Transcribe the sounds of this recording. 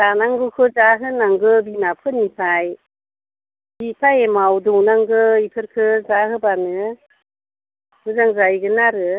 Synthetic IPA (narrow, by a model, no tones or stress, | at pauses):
danaŋɡɯkʰɯzaɦɯnaŋɡɯbinapʰɯnisʰaj | bipʰajemawdɯwnaŋɡɯikʰɯɾkʰɯzaɦɯbanɯ | bɯzaŋzajɡɯnaɾɯ